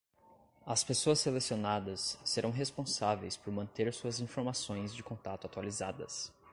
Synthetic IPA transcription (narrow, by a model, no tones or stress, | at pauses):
ɐspesoɐselesionad̪ɐsːeɾʔɐ̃w̃ɦespõsavejspoɾmɐ̃nt̪eɾsuɐzĩfoɾmasõj̃zd͡ʒɪkõt̪at̪ʊat̪ualizad̪ɐ̰s